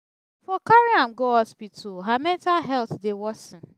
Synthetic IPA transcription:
fɔkaɹiãmɡoɔspitʰuɦamɛ̃ntalɦɛlθdewɔsɪ̃n

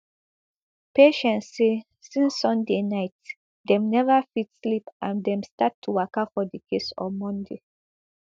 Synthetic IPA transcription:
peʃɛ̃nssːe | sĩnsːɔ̃ndenaɪt | dɛ̃mnɛvafitslipʔãndɛ̃mstatʰːuwakafɔdikʰesɔ̰mɔ̃nde

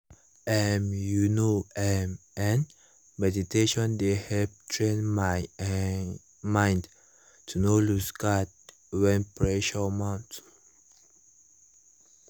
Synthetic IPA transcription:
ɛmjunoɛmɛ̃n | mɛditeʃɔ̃ndehɛvtʰɹẽnm | mãjnd | tʰunolusɡad̚ | wɛ̃npʰɹɛʃɔmãnt

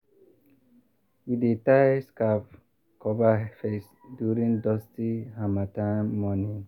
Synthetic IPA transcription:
hiditaɪskaf | kɔbafes | djuɾĩŋdɔstihamatãmːɔnĩ

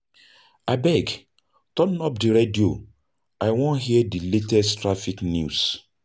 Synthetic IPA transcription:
abɛɡ | tɔnnɔpdiɹedio | aɪwɔ̃nɦiɛdiletɛstɹafiknjus

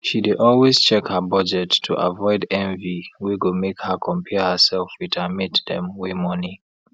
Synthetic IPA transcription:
ʃidɪdɔlˠwez̥t͡ʃɛkhəbʌd͡ʒɛtʰːuʔa̰vɔɪdɛ̃ɱviwiɡomekhəkʰɔ̃mpʰɛhəsɛlfɹitʰəmitdɛ̰̃mwemɔni

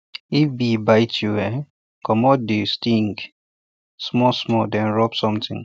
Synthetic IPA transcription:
ifbibaɪtʰjuɛ̃n | kɔmɔt̚destĩŋɡ | smɔsmɔdɛ̃nɹɔpsɔ̃mtɪ̰̃ŋ

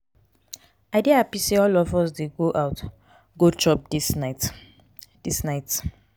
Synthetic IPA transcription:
aɪdeapiseɔlɔvɔs̬deɡoʔawt | ɡot͡ʃɔp̚dist | disnaɪt

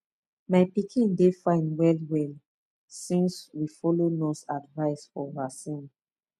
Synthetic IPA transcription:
maɪpikʰĩndefãɪ̃nwɛlwɛl | sĩnswifɔlonɔ̃sadvaɪsfɔvasĩn

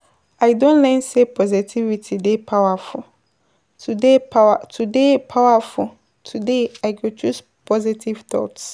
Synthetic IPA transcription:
aɪdõnlɛ̃nsepʰɔzitʰivitʰidepʰawafʊl | tʰudepawatʰudepʰawafʊl | tʰudeaɪɡot͡ʃʰus | pʰɔzitʰivt̪ʰɔ̰ts

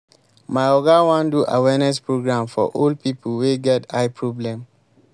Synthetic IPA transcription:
maɪɔɡawãnduʔa̰wɛnɛspɹoɡɹãmfɔ̰ʔol̚pipəlweɡɛtaɪpʰɹɔblɛ̃m

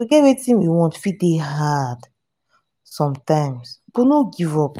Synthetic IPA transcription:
iɡɛwetĩnjiwɔ̃ntfit̚deɦad | sɔ̃mtãɪ̃msb̥onoɡivɔp

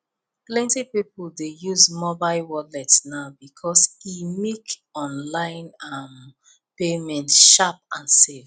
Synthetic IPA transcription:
plɛ̃ntipipəldejuzmɔbaɪlwɔlɛtsnaʊbikʰɔsimikɔ̃nlãɪ̃nam | pemɛ̃ntʃap̚ãnsev

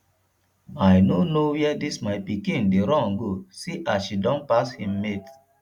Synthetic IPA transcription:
majnonowɛdismajpikĩndeɾɔ̃nɡosiʔasʃidɔ̃npashĩmːet

